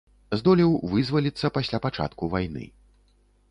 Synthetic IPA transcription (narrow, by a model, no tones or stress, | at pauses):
zd̪ɔlʲiwvɨzvɐlʲit̪sːɐpasʲlʲapat͡ʂa̰t̪kuvajnɨ̰